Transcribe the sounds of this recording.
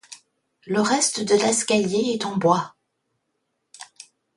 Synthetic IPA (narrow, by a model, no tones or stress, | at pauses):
ləʁɛst̪d̪əlɛskʲaljeɛt̪ɑ̃bwa